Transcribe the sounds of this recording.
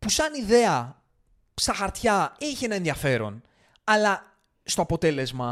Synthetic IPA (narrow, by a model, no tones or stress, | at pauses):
pusɐniðe̞ɐ | st̪ɐxɐɾt̪çɐiçenɐenðiɐfe̞ɾo̞̰n | ɐlɐ | st̪o̞ɐpo̞t̪e̞le̞zmɐ